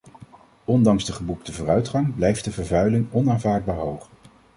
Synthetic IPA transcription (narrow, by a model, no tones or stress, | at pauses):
ɔndɑŋzdəχəbuktəvoːrœɥtχɑŋblɛjft̚dəvəɹvœɥlɪŋɔnaːnvaːɹd̚baːɹɦowχ